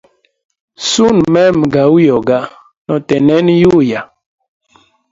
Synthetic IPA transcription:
su˦˨nmɛ˦m˨ɡa˨u˦jɔ˨ɡa˦ | nɔ˨tɛ˨nɛ˦nju˦ja˨

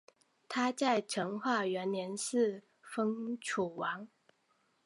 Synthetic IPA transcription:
t̪ʰa˥t͡sa˥˩ɪʈ͡ʂʰɤ˧˥ŋxwa˥˩ɥɛ˧˥nnjɛ˧˥nʂɻ̩˥˨ | fɤ˥ŋʈ͡ʂʰu˨˩wɑ˧˥ŋ

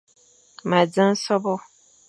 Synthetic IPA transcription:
mã˨d͡zə̃˦n˦sɔ˦bɔ˦

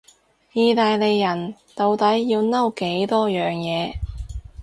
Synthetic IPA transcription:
jiː˨˧t̪aː˨˧jle˨jːɐ˨˩nt̪o˨wt̪ɐ˨˥jːiː˧wnɐ˥wke˨˥jt̪ɔː˥jœː˨ŋjɛː˨˧

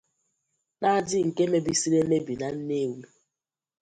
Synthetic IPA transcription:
na˦dɪ˦ŋ̩˨ke˦me˦bi˦si˦ɾe˦me˦bi˨na˨n̩˦ne˦wi˦

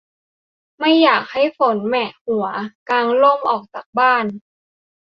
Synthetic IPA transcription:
ma˥˩jːaː˨˩k̚ha˥˩jfo˩˦nmɛ˨˩hu˨˩˦ɐkaː˧ŋlo˥˩mʔɔː˨˩k̚t͡ɕaː˨˩k̚baː˥˩n

